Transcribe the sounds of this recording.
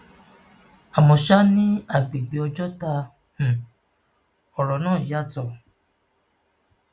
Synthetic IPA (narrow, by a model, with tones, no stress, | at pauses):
a˨mɔ̃˧ʃa˦nĩ˦a˦˨ɡ͡be˨ɡ͡be˨ɔ˧d͡ʒɔ˦ta˧ | h̩˨ | ɔ˨ɾɔ˨˦nãː˦˨ja˦˨tɔ˦˨